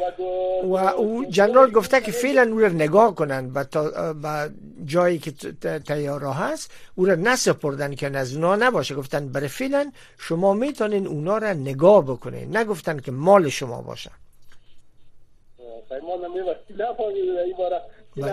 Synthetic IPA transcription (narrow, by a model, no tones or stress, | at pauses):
awaʔud͡ʒanɾɒlɡʊft̪akɪfelanuɾanɪɡɔkʊnanbat̪ba | d͡ʒɔjɪkɪt̪ajɔɾɔɦasuɾanasɪpoɾd̪anknazunɔnabɔʃaɡʊft̪anbaɾefelan | ʃʊmɔmet̪ɔnenunɔɾanɪɡɔbʊkʊnḛnːaɡʊft̪ankɪmɔlɪʃʊmɔ̰bɔ̰ʃa̰ | pajmɔnamebaχt̪inafɔmid̪aibɔɾaba